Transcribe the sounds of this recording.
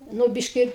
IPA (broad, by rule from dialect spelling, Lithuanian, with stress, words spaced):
ˈnʊ ˈbʲɪʃʲkʲɪ